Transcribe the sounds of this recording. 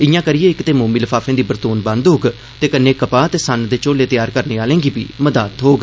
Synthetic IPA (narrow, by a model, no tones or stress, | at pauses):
ɪjãːkəɾɪjeːɪkt̪eːmoːmiːləfʰaːfʰẽːd̪iːbəɾt̪oːnbə̃nd̪ɦoːɡ | t̪eːkənːeːkəpaːt̪eːsənd̪eːt͡ʃoːleːt̪ɪjaːɾkəɾneːaːlẽːŋɡiːpiːməd̪aːt̪ɦoːɡ